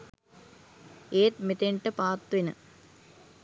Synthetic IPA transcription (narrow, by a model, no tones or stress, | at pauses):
eːt̪̚mit̪eɳʈɨpaːt̪ːʋinɨ̰